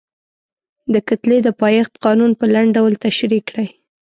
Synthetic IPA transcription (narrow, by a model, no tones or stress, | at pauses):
d̪əkat̪led̪əpɑjɑxt̪qɑnunpəlaɳɖɖawlt̪aʃɾikɽaj